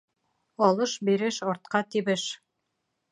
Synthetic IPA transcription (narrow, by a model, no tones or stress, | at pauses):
ɒlˠɤʃbiɾɘʃɒɾt̪̚qɑt̪iβɘʃ